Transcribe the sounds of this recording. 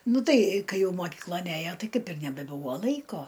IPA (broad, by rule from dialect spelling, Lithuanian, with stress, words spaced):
ˈnʊ ˈtɐɪ ˈkɐɪ ˈjɛʊ moːˈkʲiːklˠoːn ˈæjoː ˈtɐɪ ˈkɐɪp ɪr nʲɛbʲɛˈbuːʋoː ˈlˠɐɪkoː